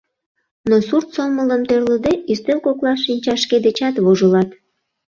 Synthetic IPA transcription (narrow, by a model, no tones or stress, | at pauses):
nosurt̪somələmt̪ørləd̪eyst̪elkoklɑʃinʲt͡ɕɑʃked̪et͡ɕɑt̪βoʒəlɑt̪